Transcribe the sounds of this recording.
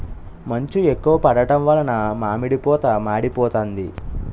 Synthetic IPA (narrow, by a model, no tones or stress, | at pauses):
mɐɲt͡ʃuekːuʋɐpɐɽɐʈɐmʋɐlɐnɐmaːmiɽipɔːt̪ɐmaːɽipɔːt̪ɐnd̪i